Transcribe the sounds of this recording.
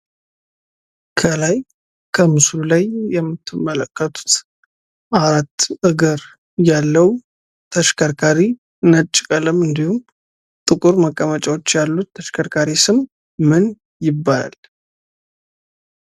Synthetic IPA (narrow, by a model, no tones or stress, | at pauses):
kʰəlaj | kʰəmɨslulajjɛmːɨt̪ʰːɨmːələkːət̪ʰu̥t̪ | ʔaɾat̪ːʔɨɡəɾ | jalːəw | t̪ʰəʃkʰəɾkʰaɾi | nət͡ʃʼːɪkʼələmɨnd̪ihum | t̪ʼɨkʼuɾməkʼːəmət͡ʃʼawo̞t͡ʃːjalːut̪ːʰəʃkʰəɾkʰaɾisɨmː | ɨn | jɪbːala̰l